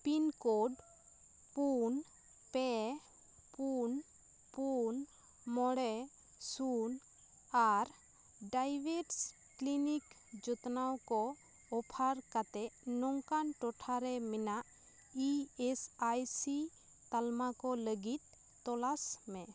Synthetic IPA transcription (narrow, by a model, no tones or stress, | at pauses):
pinkoɖ | pun | pɛ | pun | pun | mɔɽɛ | sun | aɾ | ɖajbeʈs | klinik | d͡ʒɔt̪nawkɔː | pʰaɾkat̪ɛʔnɔŋkanʈɔʈʰaɾɛmɛnaʔ | iesajsi | t̪almakɔləɡit̪̚ː | ɔlasmɛ